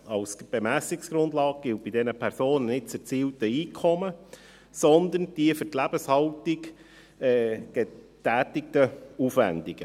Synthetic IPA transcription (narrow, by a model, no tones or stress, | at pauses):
ɑwsb̥emæsɪksɡ̥ɾʊnd̪lɑːɡ̚ɡ̥ɪlt̚b̥idɛnəpʰæɾsoːnənɪt̚t͡sːt͡siːltəiːkʰɔmə | sɔnd̪ənd̥iəfʏɾtlæb̥əshɑltiɡ | ɛːɡ̥ɛ | tæːtɪk̚təufvæ̰nd̪iɡ̥ə